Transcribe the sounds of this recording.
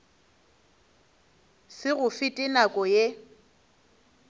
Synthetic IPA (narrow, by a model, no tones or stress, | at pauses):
sɪɣʊfɪtʼɪnakʼɔje